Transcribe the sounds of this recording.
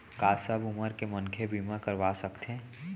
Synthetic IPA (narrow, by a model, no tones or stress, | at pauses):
kaːsəbʊməɾkemə̃ŋkʰebʱiːmãkəɾʋaːsɐkt̪ẽː